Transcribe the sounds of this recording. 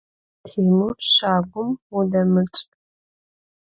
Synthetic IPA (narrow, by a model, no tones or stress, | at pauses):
tʰiːmurʃaːɡʷʊmudɐmɨt͡ʃʼ